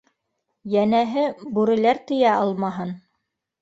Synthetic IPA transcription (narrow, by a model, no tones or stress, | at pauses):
jænæɦɘbuɾɘ̆læɾt̪ɵ̆jæʔɑlˠmɑɦɤn